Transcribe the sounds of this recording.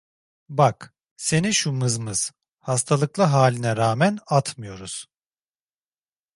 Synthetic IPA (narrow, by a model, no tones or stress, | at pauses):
bak | se̞niʃumɯzmɯz̥ | hast̪ʰalˠɯklˠɯɦaːlʲinɛɾaːmænat̪ʰmɯjo̞ɾuz̥